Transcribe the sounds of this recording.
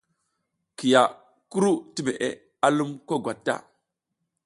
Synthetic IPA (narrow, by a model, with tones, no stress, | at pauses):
ki˨ja˨ | ku˦ɾu˦ti˦me˨ʔe˨ | a˦lu˦mko˦ɡwa˨tːa̰˦˨